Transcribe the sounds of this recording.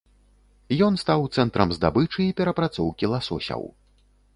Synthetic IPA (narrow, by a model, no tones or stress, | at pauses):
jɔnst̪awt̪sɛnt̪ɾɐmzd̪a̰bɨt͡ʂɨiːpʲɛɾɐpɾat̪sɔwkʲilˠasɔ̰sʲɐ̰w